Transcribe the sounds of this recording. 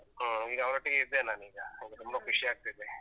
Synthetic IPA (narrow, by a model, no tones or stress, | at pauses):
iːɡɐɐʋɐɾɐʈːiɡiɾd̪enaːniːɡɐiɡɐt̪umːbɐkuʂiaːk̚t̪id̪e